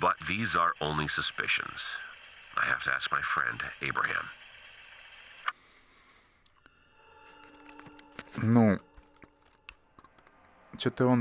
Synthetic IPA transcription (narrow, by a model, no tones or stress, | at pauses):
b̥ʌt̪̚ðizə˞ʔõʊ̃nlisəspɪ̰ʃɨ̰̃nz̥ʔa̰ɪhæ̰ftʰɨæ̰sk̚maɪfɹɛ̰̃ndeɪbɹɨ̰hæ̰̃m | nũ | t͡ʃot̪əɔn